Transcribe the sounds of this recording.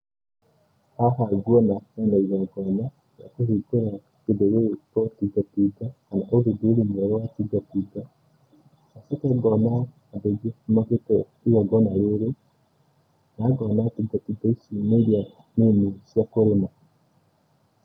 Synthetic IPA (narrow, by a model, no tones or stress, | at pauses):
haɦaɡwɔnakanaiɣaɡɔna | na̰kohikoɾa | kedɛjotɔtiɡatiɡahanaʔoðedeɾemɛɾwatiɡatiɡa | asakɛɡɔnaː | deɡamaketɔ | iɣaɡɔnaɾoɾe | naɡɔnatiɡatiɡaisineɾja | nenisjakoɾema